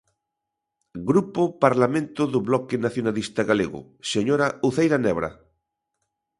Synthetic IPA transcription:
ɡɾupopaɾlamẽnt̪ʊðʊβlɔkenaθjonalist̪aɣaleɣʊ̰ | seɲoɾauθejɾanɛβɾa̰

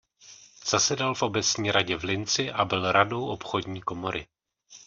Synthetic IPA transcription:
z̥asɛdalfʔo̞bɛt͡sɲiːɾaɟɛvlɪnt͡sɪʔabɪlɾado̞wʔo̞pxo̞dɲiːko̞moɾʔɪ

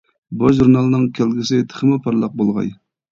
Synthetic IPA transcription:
boʒʒuɾnɑlˠɨnɨŋkʲʰælɡʲisɪt̪ʰə̥χəmɨpʰɑɾlˠɑq̚bolˠʁɑ̰j

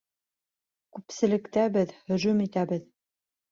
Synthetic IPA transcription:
kʉpsɘ̆lɘ̆kt̪æbɘðhɵ̆ʒʉmit̪æbɘð

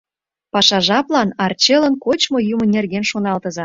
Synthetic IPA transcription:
pɑʃɑʒɑplɑnɑrt͡ɕelə̆nkot͡ɕmojumə̆nʲerɣenʃonɑlt̪əzɑ

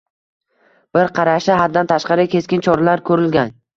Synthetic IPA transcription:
b̥ɪɾqʰɑɾaʃɪɦad̪dːant̪ʰaʃqɑɾɪkʲʰe̞skʲɪnt͡ʃʰɒɾalaɾkʰɵɾɪlɡʲan

